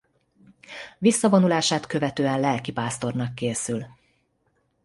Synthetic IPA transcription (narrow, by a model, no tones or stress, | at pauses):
visːɒvo̞nulaːʃaːt̪kø̞vɛt̪øːɛnlɛlkipaːst̪o̞rnɒkːeːsyl